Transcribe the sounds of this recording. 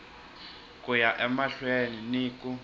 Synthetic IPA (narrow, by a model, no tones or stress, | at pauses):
kʼujaʔɛmaɬweniniːkʼu